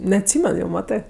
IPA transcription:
nʲɛɐtʲˈsʲiːmʲɛn jɛʊ ˈmɑːtɜ

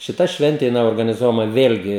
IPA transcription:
ˈʃʲɪtɐ ˈʃʲʋʲɛnʲtʲeː jɪˈnɐɪ oːrɡɐnʲɪˈzuɔjɛmɐ ˈʋʲeːlʲɡʲɪ

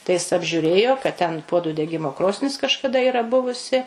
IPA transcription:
tɐɪ ˈjɪs ɐbʲʒʲʊˈrʲeːjoː kɐt tʲɛn ˈpuɔdʊ dʲɛˈɡʲɪmoː ˈkroːsʲnʲɪs kɐʃkɐˈdɐ ˈiːrɐ ˈbʊʋʊsʲɪ

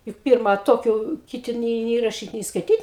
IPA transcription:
jʊk ˈpʲɪrmɐ ˈtoːkʲʊ kʲɪˈtʲɪ nʲeː nʲeː rɐˈʃʲiːt nʲeː skɐɪˈtʲiːt

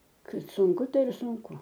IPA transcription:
ˈkɐt sʊŋˈkʊ ˈtɐɪ ɪr sʊŋˈkʊ

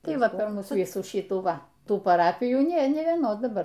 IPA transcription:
ˈtɐɪ ˈʋɐ pʲɛr ˈmuːs ˈʋʲiːsuː ˈʃʲiːtuː ˈʋɐ ˈtuː pɐˈrɑːpʲɪjuː ˈnʲeː ˈnʲeː ʋʲiɛˈnoːs dɐˈbɐr

